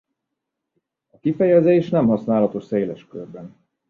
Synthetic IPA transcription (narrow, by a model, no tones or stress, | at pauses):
ɒkifɛjɛzeːʃnɛmɦɒsnaːlɒt̪o̞ʃseːlɛʃkørbɛn